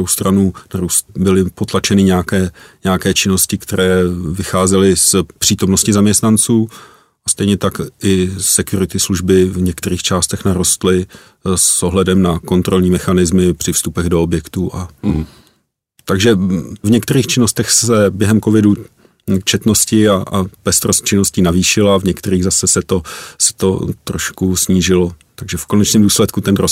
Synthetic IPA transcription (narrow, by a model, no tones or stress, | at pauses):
owst̪ɾʔanuːnaɾust̪bɪlɪpo̞t̪lat͡ʃɛnɪɲɛakɛːɲɛakɛːt͡ʃɪno̞scɪkt̪ɛɾɛːvɪxaːzɛlɪspr̥iːt̪o̞mno̞scɪzamɲɛst̪nant͡suː | ʔast̪ɛjɲɛt̪akʔɪsɛkjuɾɪt̪ɪsluʒbɪvɲɛkt̪ɛɾiːxt͡ʃaːst̪ɛxnaɾo̞st̪lɪ | soɦlɛdɛmnako̞nt̪ɾo̞lɲiːmɛxanɪzmɪpr̥ɪfst̪upɛɣdoobjɛkt̪uʔa | t̪aɡʒɛvɲɛkt̪ɛɾiːxt͡ʃɪno̞st̪ɛxsɛbjɛɦɛmkovɪdu | t͡ʃɛt̪no̞scɪaʔapɛst̪ɾost̪̚t͡ʃɪnoscinaviːʃɪlavɲɛk̚t̪ɛɾiːɣzasɛsɛt̪o̞sɛ̥t̪o̞t̪ɾo̰ʃkusɲiːʒɪlo̞t̪aɡʒɛfko̞nɛt͡ʃnɪːmduːslɛt̪kut̪ɛnɾo